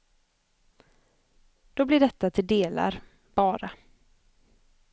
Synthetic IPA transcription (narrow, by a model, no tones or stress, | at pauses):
d̪̥ɔblɪɖɛt̪ːat̪ʰɪld̪eːla̰ɾ | b̥ɑːɾa